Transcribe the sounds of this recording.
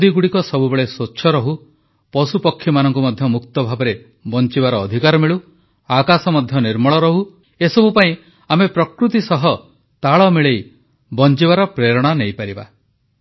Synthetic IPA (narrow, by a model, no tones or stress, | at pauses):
d̪iɡuɽikɔsɔbubeɭesotːʃʰɔɾɔɦu | pɔsupɔkʰːjɔmanɔŋkumɔd̪ʱjɔmukt̪ɔbʱabɔɾe | bɔnt͡ʃibaɾɔːd̪ʱikaɾɔmiɭu | akasɔmɔd̪ʱjɔniɾmɔɭɔɾɔɦu | esɔbupaĩ | amepɾɔkɾut̪isɔɦɔ | t̪aɭɔmiɭej | bɔnt͡ʃibaɾɔpɾeɾɔɽ̃anejpaɾiba̰